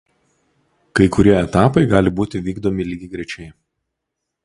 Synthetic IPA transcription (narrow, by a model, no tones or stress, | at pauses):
kɐɪkʊɾʲiɛɛt̪ɑːpɐɪɡɑːlʲɪbuːt̪ʲɪʋʲiːɡd̪omʲɪlʲiːɡʲɪɡɾʲɛt͡ʃʲɛɪ